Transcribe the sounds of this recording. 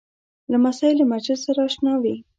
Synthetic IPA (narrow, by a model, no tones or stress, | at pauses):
lamasɑɪlːamaɾt͡ʃɪzsaɾaːʃnɑwi